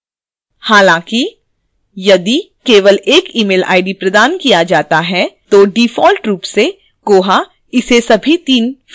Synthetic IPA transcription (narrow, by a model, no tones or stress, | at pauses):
haːlãːki | jɐd̪ikeːʋəleːkiːmeːla̰ːɪɖipɾɐd̪aːnkijad͡ʒaːt̪aɦɛt̪oɖiːfɔːlʈɾuːpse | ɡ̥oːɦa | ɪsesɐbʱit̪iːn